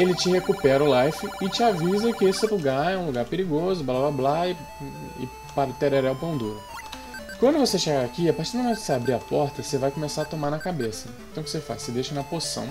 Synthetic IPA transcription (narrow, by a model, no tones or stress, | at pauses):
elɪt͡ʃɪhekupɛɾɐʊlajfɪɪt͡ʃɪavizɐkɪesɛpɾuɡaɾɛũluɡaɾpeɾiɡozʊblablablaɪ | ɪ̰ | paɾt̪eɾɛɾɛwpɾɐ̃d̪uɾ | kwɐ̃nd̪ʊvoseʃeɡaakiapaɾt͡ʃiɾd̪ɐmẽt̪ɪseabɾiɐpɔɾt̪ɐsevajkomesaɾɐt̪omaɾnɐkabesɐẽt̪ɐ̃w̃kɪ̥sefa̰ssɪd̪ejʃɐnɐposɐ̰̃w̃